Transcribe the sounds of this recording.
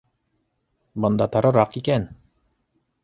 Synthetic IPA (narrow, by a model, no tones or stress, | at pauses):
bɤ̆nd̪ɑt̪ɑɾɤ̆ɾɑqikæn